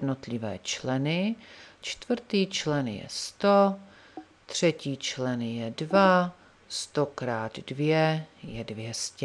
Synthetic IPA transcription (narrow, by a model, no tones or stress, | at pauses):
dnot̪lɪvɛ̰ːt͡ʃlɛnɪt͡ʃt̪vr̩t̪iːt͡ʃlɛnjɛ̰st̪o | t̪r̝̥ɛciːt͡ʃlɛnjɛdva | st̪o̞kɾaːd̪dvjɛjɛdvjɛscɛ